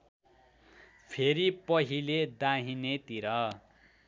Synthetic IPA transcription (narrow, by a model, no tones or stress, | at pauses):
pʰeɾipʌɦiled̪aɦinet̪iɾʌ